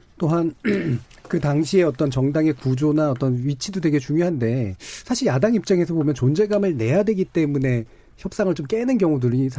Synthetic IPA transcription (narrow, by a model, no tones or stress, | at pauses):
t͈oɦan | kɯtaŋɕʰie̞ʌt͈ʌnt͡ɕʌŋdaŋe̞kud͡ʑonaʌt͈ʌnɥit͡ɕʰidodwe̞ɡe̞t͡ɕuŋjoɦande̞sʰaɕʰiɾjadaŋip̚t͡ɕ͈aŋe̞sʰʌbomjʌnt͡ɕond͡ʑe̞ɡamɯɭne̞jadwe̞ɡit͈e̞mune̞ | çjʌp̚s͈aŋɯɭt͡ɕomk͈e̞nɯnk̬jʌŋudɯɾisʰ